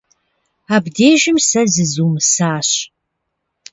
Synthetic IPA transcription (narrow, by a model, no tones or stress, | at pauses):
aːbdeːʒɪmsɐzɨzuːmɨsaːɕ